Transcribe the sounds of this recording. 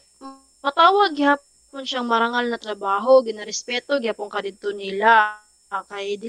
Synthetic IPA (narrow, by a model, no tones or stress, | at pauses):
pɐt̪aːwɐɡɪhapːʊnʃaŋmɐɾɐŋalnɐt̪ɾɐbaːɦo̞ɡɪnaɾɛspɛːt̪oɡɪhapoŋkɐd̪ɪd̪̚t̪onɪla | kɐjd̪ɪ